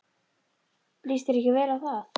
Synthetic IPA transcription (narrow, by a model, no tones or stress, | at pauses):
liːst̪ɪɾɛhcɪvɛːɾaðθaθ